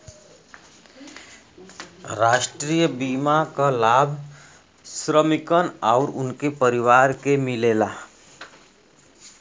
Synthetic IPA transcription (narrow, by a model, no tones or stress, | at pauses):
ɾaːʃʈɾiːjəbiːmakalaːbʱ | sɾəmɪkənɔʊɾʊ̰nkepəɾiʋaːɾkemɪleːlaː